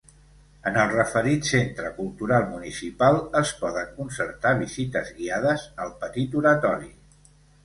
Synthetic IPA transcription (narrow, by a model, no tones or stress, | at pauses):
ənəlˠrəfəɾit̪sent̪ɾəkulˠt̪uɾalˠmunisipalˠəspɔðəŋkunsəɾt̪aβ̞izit̪əzɣiaðəzəlˠpət̪it̪uɾət̪ɔɾi